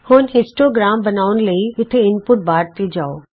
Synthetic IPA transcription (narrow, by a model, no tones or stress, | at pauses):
hʊːnɦɪsʈoɡɾaːmbɐnaːʊn̆lɐiʋɪt̪ʰeɪnpʊʈ̚baːɾt̪id͡ʑaːoː